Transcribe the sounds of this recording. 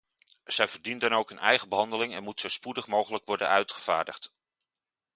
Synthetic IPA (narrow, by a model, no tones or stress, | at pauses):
z̥ɛjvəɹdindɑnowkənʔɛjχəbəɦɑndəlɪŋɛ̰nmutsowspudəχmowχələkʋɔɹdə̰nœɥtχəv̥a̰ːɹdə̰χt